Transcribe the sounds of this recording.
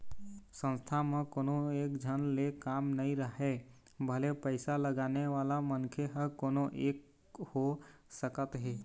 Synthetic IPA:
sə̃nst̪ʰamẽkoːnoekd͡ʒʱənlekamnəiɾəɦe | bʱəlepəɪsaləɡaneʋalamənkʰeɦəkonoʔek | hosəkət̪ɦeː

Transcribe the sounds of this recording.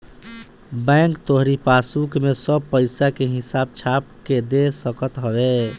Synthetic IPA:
bɛ̃ŋkt̪oɦɾipasukmesəb̚pəɪsakeɦisab̚t͡ʃʰap̚ked̪esəkət̪ɦəbe

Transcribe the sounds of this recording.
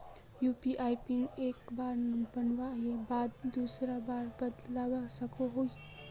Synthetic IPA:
jupiʔajpinekbaɾnbənwaɦebad̪d̪usɾabaɾbəd̪lawasəkoɦoj

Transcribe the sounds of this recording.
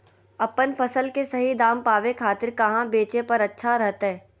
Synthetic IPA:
ɐpənfɐsəlkesɐɦid̪aːmpaːʋekʰaːt̪ɪɾkɐɦãbeːt͡ʃepɐɾɐtːʃʰaɾɐɦt̪ɦɛː

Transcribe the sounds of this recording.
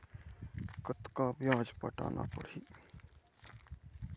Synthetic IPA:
kət̪kabjaːd͡ʒpəʈa̰ːnʔa̰pə̰ɽi

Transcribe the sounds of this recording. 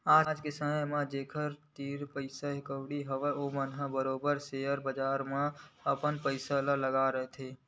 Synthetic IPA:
aːd͡ʒkesəməjmẽd͡ʒeːkʰəɾt̪iːɾpəɪsaɦɪkəʊɽiɦəʋɛoːmənɦəbəɾoːbəɾseəɾbəd͡ʒaːɾmẽəpənpəɪsalələɡaɾəɦet̪ʰeː

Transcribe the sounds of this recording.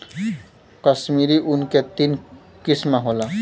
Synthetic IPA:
kʌsmiɾiʔunket̪in | kismaɦola

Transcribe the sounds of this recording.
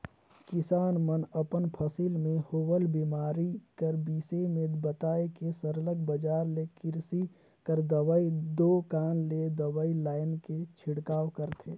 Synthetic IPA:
kɪsaːnmənəpənpʰəsiːlmẽhowəlbimaːɾikəɾbiːsemẽbət̪aːekesəɾləɡ̚bəd͡ʒaːɾlekɪɾsi | kəɾd̪əwəid̪okaːnled̪əwəilaːɪnket͡ʃʰɪɽkaːwkəɾt̪ʰeː

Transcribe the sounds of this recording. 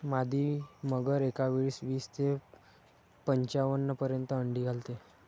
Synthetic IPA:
mad̪ʱiːməɡəɾekaʋeɭiːsʋiːst̪ʰe | pəɲt͡ɕaʋənːəpəɾjənt̪əəɳɖiːɡʱalt̪e

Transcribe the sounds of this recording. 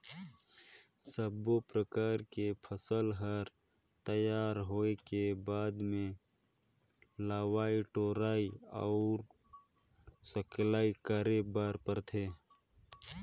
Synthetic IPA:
səbopɾəkaːɾkepʰəsəlɦəɾ | t̪əjaːɾɦoːekebaːd̪mẽ | laːwaːiʈoːɾaːiɔ̰ʊɾ | səklaːikəɾebaːɾpəɾt̪ʰeː

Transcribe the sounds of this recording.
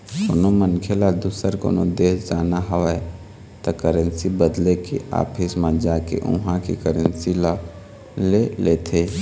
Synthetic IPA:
ko̰nomənkʰelad̪uːsəɾko̰ːno̰d̪eːsd͡ʒaːnaɦəʋae | t̪okəɾə̃nsibəd̪lekiʔa̰ːpʰismãd͡ʒaːkḛʔʊ̰ɦãkḭkəɾənsila | leleːt̪ʰeː

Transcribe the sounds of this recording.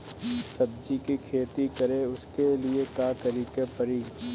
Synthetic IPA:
sɐb̚d͡ʒikikʰeːt̪ikɐɾeʊskeliekaːkəɾiːkepɐɾiː

